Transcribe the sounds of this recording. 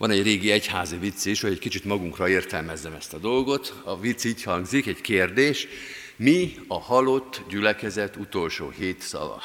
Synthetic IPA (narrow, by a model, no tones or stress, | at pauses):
ʋɒnɛɟreːɡiɛchaːzivit̪sːiʃhoɟɛckit͡ʃit̪mɒɡuŋkrɒeːrt̪ɛlmɛzːɛmɛst̪ɒd̪o̞lɡo̞t̪ɒvit̪siːchɒŋɡzikɛɟkeːrd̪eːʃ | miɒhɒlo̞t̪ːɟylɛkɛzɛt̪ːut̪o̞lʃo̰ːheːt̪sɒ̰vɒ̰